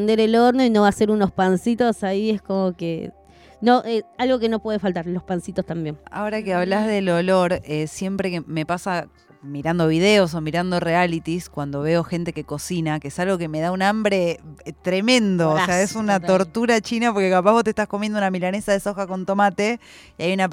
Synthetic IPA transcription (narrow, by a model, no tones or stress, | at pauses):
nd̪eɾeloɾnoino̞βase̞ɾuno̞spansit̪o̞saieskomokḛ | noʔealɣo̞ke̞no̞pwe̞ðefalt̪aɾlo̞hpansit̪ost̪ambjena̰oɾakeaβlazðe̞lo̞lo̞ɾesje̞mpɾe̞keme̞pasa | miɾand̪o̞βið̞e̞o̞s̬o̞miɾand̪o̞realit̪iskwand̪o̞βe̞o̞xe̞nt̪e̞ke̞ko̞sinakeesalɣo̞ke̞me̞ð̞aunambɾe̞t̪ɾe̞mẽ̞nd̪oːseaesunat̪o̞ɾt̪uɾat͡ʃinapo̞ɾkekapahβot̪ehst̪askomjend̪unamilanesaðe̞soxako̞nt̪o̞mat̪e̞iajuna